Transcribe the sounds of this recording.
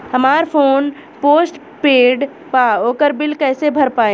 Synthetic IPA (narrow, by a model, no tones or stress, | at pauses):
həmaːɾpʰoːn | poːsʈ | peːɖ | paoːkəɾbɪlkɛːsebʱəɾpaːe